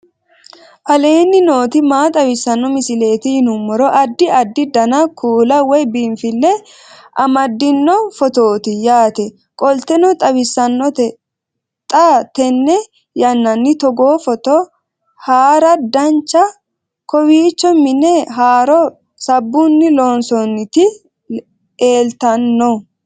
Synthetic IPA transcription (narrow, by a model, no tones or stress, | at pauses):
ʔɐle̞ːnːɪno̞ːt̪ɪmaːt̪ʼɐwɪsːɐnːɔmɪsɪle̞ːt̪ɪhɪnʊmːɔɾɔʔɐd̪ːɪɐd̪ːɪd̪ɐnɐkʰuːlɐwɔjbiːmfɪlːɛ | ʔɐmɐd̪ːɪnːɔfɔt̪o̞ːt̪ɪjaːt̪ɛ | kʼɔlt̪ɛnɔt̪ʼɐwɪsːɐnːɔt̪ɛ | t̪ʼat̪ɛnːɛ | jɐnːɐnːɪt̪ɔɡoːfɔt̪ɔ | haːɾɐd̪ɐnt͡ʃːɐ | kɔwiːt͡ʃːɔmːɪnːɛɦaːɾɔ | sɐbːʊnːɪloːnsɔnːɪt̪ɪ | eːlt̪ɐnːɔ